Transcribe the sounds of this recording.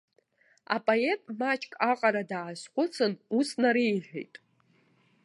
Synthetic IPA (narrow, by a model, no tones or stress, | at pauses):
a̰pʼoe̞tʼmat͡ʃʼkʼaqʼaɾadaːʃχʷʊt͡sʰɨnusnaɾijħᶣʷḛjtʼ